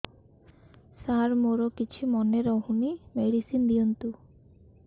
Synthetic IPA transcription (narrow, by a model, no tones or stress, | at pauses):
saɾmoɾokit͡ʃʰimɔneɾɔɦunimeɽisind̪iɔnt̪u